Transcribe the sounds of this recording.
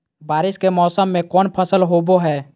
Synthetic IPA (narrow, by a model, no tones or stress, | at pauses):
baːɾɪʃkemɔːsəmːẽkɔːnpʰəsəlɦoːboɦɛː